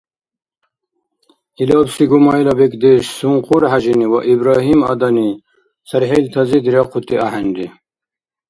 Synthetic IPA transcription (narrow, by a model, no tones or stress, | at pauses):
ilɑːbsiɡumɑjlɐbekd̪eɕsuŋquɾhaʑiniwɐ̰ʔibɾɑːɦimɐd̪ɐni | sɐɾɦelt̪ʰɐzid̪ɾɑqʰut̪iaɦɐnd̪i